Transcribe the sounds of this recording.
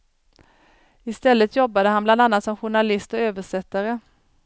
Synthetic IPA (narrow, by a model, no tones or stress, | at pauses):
ɪst̪ɛlːət̪ʰjɔbːad̪əɦanbland̪anːat̪sɔmɧʊɳalɪst̪ɔøːvəʂɛt̪ːaɾə